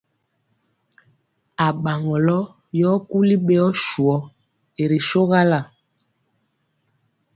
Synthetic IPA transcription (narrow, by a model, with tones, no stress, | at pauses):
a˨ɓa˨ŋɔ˨lɔ˦ | jɔ˦ku˦li˦ɓe˦ɔ˦ʃu˨ɔ˦ | e˨ɾe˨ʃo˦ɣa˦la˨